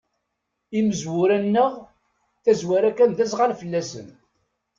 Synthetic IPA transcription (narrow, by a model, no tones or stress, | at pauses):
iməzwʊɾænːəʁ | θæzwæɾækːænðæs̬ʁalfəlːæsə̰n